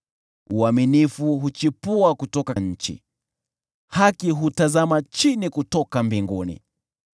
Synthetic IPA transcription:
uaminifuɦut͡ʃipuakutɔkaɲ̩t͡ʃḭ | hakiɦutazamat͡ʃinikutɔkambiŋɡunḭ

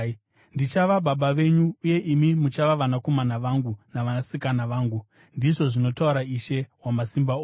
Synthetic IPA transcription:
ndit͡ʃaʋaɓaɓaʋe̞ɲuuje̞ʔimimut͡ʃaʋaʋanako̞manaʋaŋɡunaʋanasikanaʋaːŋɡu | ndiʐo̞ʐino̞tauɾaiʃe̞wamasimbaoː

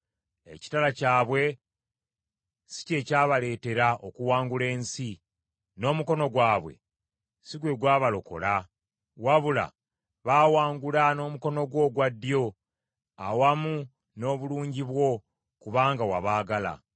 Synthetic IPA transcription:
e̞̰ci̥talacaːβwe̞ | si̥ce̞ːcaːβale̞ːte̞ɾaʔo̞kuwaːŋɡule̞ːnsi | no̞ːmuko̞no̞ɡwaːβwe̞̰ | siɡwe̞ɡwaːβalo̞ko̞̰la | waβula̰ | βaːwaːŋɡulano̞ːmuko̞no̞ɡwo̞ɡwadːjo̞ | awamu | no̞ːβuluːɲɟiβwo̞ | kuβaːŋɡawaβaːɡala̰

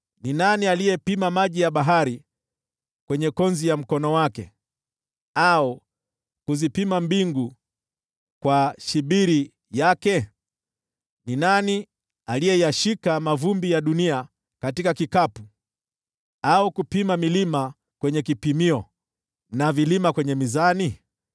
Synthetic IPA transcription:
ninanialijɛpimamaʄijaɓaɦaɾi | kwɛɲɛkɔnzijam̩kɔnɔwakɛ | au | kuzipimambiŋɡu | kwaʃiɓiɾi | jakɛ | ninani | alijɛjaʃikamavumbijaɗunia | katikakikapu | aukupimamilima | kwɛɲɛkipimiɔ | navilimakwɛɲɛmizani

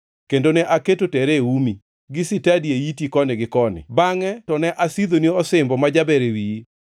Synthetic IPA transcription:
kendonɛʔaketotɛɾeumi | ɡɪsɪtadieitikɔnɪɡɪkɔnɪ̰baŋɛtɔnɛʔasid̪oniɔsɪmbɔmad͡ʒabɛɾewii

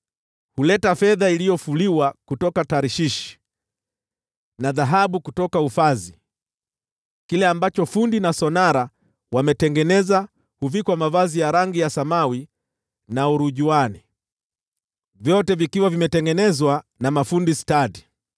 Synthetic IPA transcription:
hulɛtafɛðailijɔfuliwakutɔkataɾiʃiʃi̥ | naðaɦaɓukutɔkaufazi | kilɛambat͡ʃɔfundinasɔnaɾa | wamɛtɛŋɡɛnɛza | huvikwamavazijaɾaŋɡijasamawi | nauɾuʄuani | vjɔtɛvikiwavimɛtɛŋɡɛnɛzwanamafundistaɗi

